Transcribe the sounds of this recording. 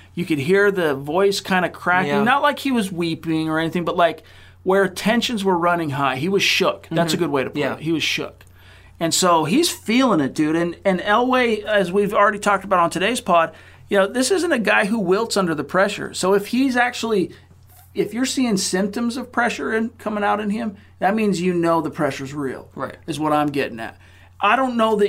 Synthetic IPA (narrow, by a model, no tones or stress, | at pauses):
jɨkɨd̚ɦiɹðɨvɔɪskʰãɪ̃ndɨkʰɹ̥ækɪ̃ŋnətˡlaɪkhiwʌzwipɪ̃ŋə˞ɛniθɪ̃ŋbʌt̚ˡlaɪk | wə˞ɨtʰɛ̃nʃɨ̃nzwə˞ɹʌnɪ̃ŋɦaɪiwʌz̥ʃʊk̚ðætsɨɡʊd̚weɪɾɨpʰɛɪhiwʌz̥ʃʊ̰k | ɨ̃nsoʊiz̥filˠɪ̃ŋɨt̚d̥ʉɾɨ̃nɨ̃nɛlˠweɪɨzwivl̩ˠɹɛɾitʰɔk̚təbaʊɾn̩tʰɨɾeɪz̥pʰɔɹd̚ | jɨnoʊðɪsɪzɨ̃n̩tɨɡaɪɦuwɪlˠtsʌ̃ndə˞ðəpʰɹ̥ɛʃə̰˞soʊɨfhizæk̚t͡ʃul̩ˠi | ɨfjə˞siɪ̃ŋsɪ̃mp̚tɨ̃mzʌv̥pʰɹ̥ɛʃə˞ɨ̃nkʰʌmɪ̃ŋaʊɾɨ̃nɪ̃m | ðɨt̚mĩnzjɨnoʊðəpʰɹ̥ɛʃə˞zɹḭlˠaɪɨzwʌɾãɪ̃mɡɛɾɪ̃ŋɨ̰t̚ | ʔaɪɾõʊ̃nːoʊðɨ